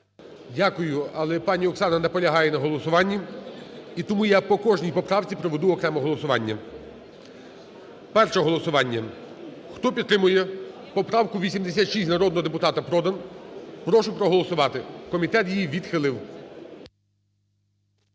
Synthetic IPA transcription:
dʲakʊjʊɐlˠɛpɑnʲiɔksɑnɐnɛpɔlʲɐɦɑjɛnɐɦɔlˠɔsʊʋɑnʲːi | it̪ɔmujapɔkɔʒnʲijpɔpɾɑwt͡sʲipɾɔʋed̪uɔkɾɛmɔɦɔlˠɔsʊʋɑnʲːɐ | pɛrʃɛɦɔlˠɔsʊʋɑnʲːɐ | xt̪ɔpʲid̪t̪ːɾɪmʊjɛ | pɔpɾɑwkʊʋʲisʲimd̪esʲat̪ʃistʲnɐɾɔd̪nɔɦɔd̪epʊt̪ɑt̪ɐpɾɔd̪ɐnpɾɔʃʊpɾɔɦɔlˠɔsʊʋɑt̪ɪkɔmʲit̪ɛt̪jijiʋʲid̪xɪlˠɪw

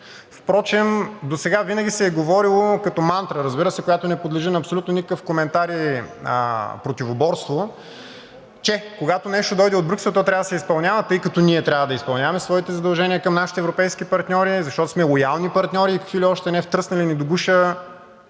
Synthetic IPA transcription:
fpɾɔt͡ʃɛmd̪osɛɡavinəɡʲisɛːɡovɔɾilˠokɐt̪ɔmant̪ɾəɾəzbiɾəsɛkoɡat̪onɛpod̪lɛʒinɐːpsolut̪nonikəkəfkomɛnt̪aɾiə̰pɾot̪ivobɔɾst̪vo | t͡ʃɛkoɡat̪onɛʃt̪od̪ɔjd̪ɛod̪bɾuksɛlˠt̪ɔt̪ɾʲavəd̪sɛispɐlˠnʲavət̪ɤjkɐt̪ɔniɛt̪ɾʲavəd̪ɐispɐlˠnʲavəmɛsvɔit̪ɛzɐd̪ɐlˠʒɛniəkɐmnaʃi̥t̪ɛːvɾopɛjsk̟ipɐɾt̪nʲɔɾizɐʃt̪ɔt̪o̥smɛlˠojalˠnipɐɾt̪nʲɔɾiːkə̥kviliɔʃt̪ɛnɛft̪ɾɤsnɐlinid̪oɡuʃə

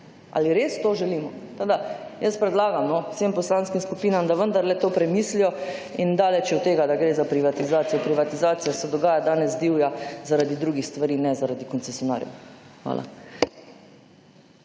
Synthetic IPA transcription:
ʔa̰liɾeːst̪oːʒɛliːmɔt̪od̪ajəst̪pɾɛd̪laːɡamnɔwsempɔslanskimskupiːnamd̪aʋənd̪aɾlɛt̪oːpɾɛmiːslijɔind̪aːlɛt͡ʃut̪ːeːɡad̪aɡɾeːzapɾiʋat̪izaːt̪sijɔpɾiʋat̪izaːt̪sijɔsɛd̪ɔɡaːjad̪aːnɛzd̪iːwjazaɾad̪id̪ɾuɡixst̪ʋaɾiːnɛzaɾad̪ikɔnt̪sɛsjɔna̰ːɾjɔ̰xʋa̰ːlʔa̰

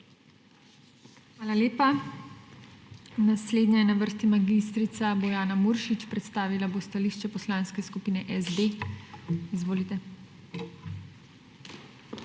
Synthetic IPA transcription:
xʋaːlaleːpa | nasleːd̪nɲɛjɛnaʋəɾst̪imaɡist̪ɾit̪sabojaːnamuɾʃit͡ʃpɾɛt̪st̪aːʋilabost̪aliːʃt͡ʃɛpɔslãːnskɛskupiːnɛʔɛzd̪e | izʋoːlit̪ɛ

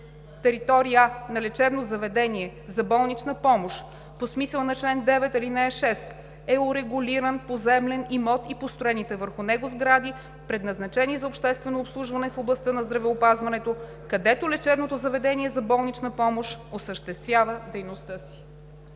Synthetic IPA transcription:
t̪ɛɾit̪ɔɾijənɐlɛt͡ʃɛbnozɐvɛd̪ɛniɛzɐbɔlˠnit͡ʃnɐpɔmoʃ | posmisəlˠnɐt͡ʃlɛnd̪ɛvɛt̪ilinɛʃɛs | ɛʊɾɛɡʊliɾənpozɛmlɛnimɔt̪ipost̪ɾoɛnit̪ɛvəɾxʊnɛɡozɡɾad̪i | pɾɛd̪nɐznɐt͡ʃɛnizɐopʃt̪ɛst̪vɛnoːpslˠuʒvɐnɛfoblˠɐst̪ɤnɐzd̪ɾɐvɛopazvɐnɛt̪o | kɐd̪ɛt̪olɛt͡ʃɛbnot̪ozɐvɛd̪ɛniɛzɐbɔlˠnit͡ʃnəpɔmoʃosəʃt̪ɛst̪vʲjavəd̪ɛjnost̪ɤsi̥

